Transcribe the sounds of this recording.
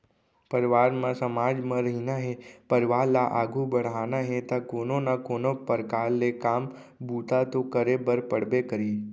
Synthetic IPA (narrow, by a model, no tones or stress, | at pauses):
pəɾɪʋaːɾmãsəmaːd͡ʒmãɾəɦinaɦẽpəɾɪʋaːɾlaʔaːɡʱubəɽ̤aːnaɦẽt̪akoːnonakoːnopəɾkaːlːekaːm | bʱuːt̪at̪okəɾebəɾpəɽ̤bekəɾiː